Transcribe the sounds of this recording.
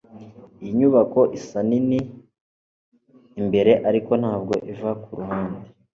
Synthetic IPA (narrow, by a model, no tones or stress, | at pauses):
ijiɲuβako̞ʔisanini | mbe̞ɾe̞ʔaɾiko̞nhaːb̚ɡo̞̰ʔivakuɾuɦaːnde